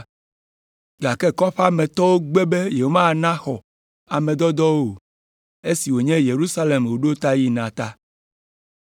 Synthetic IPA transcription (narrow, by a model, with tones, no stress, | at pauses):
ɡa˨kɛ˦kɔ˦ɸa˦mɛ̃˨t̪ɔ˦wo˦ɡ͡be˦be˦je˨o˦mã˦˨nã˦xɔ˨ | a˨mẽ˨d̪ɔ˦d̪ɔ˦wo˨ | e˦si˨wo˨ɲɛ̃˦je˨ɾu˦sa˦le˨mwo˨ɖo˦t̪a˦ji˦nã˨t̪a˦